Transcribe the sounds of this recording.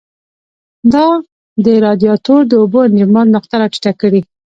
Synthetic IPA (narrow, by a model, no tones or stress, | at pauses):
d̪ɑ | d̪əɾɑd̪jɑt̪oɾd̪əoboɪnd͡ʒɪmɑnnʊxt̪aɾaʈi̥ʈakəɽi